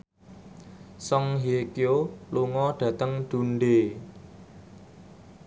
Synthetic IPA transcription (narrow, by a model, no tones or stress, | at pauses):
sɔŋɦekioluŋɔɖ̥ä̤t̪əŋɖ̪̥ṳnɖe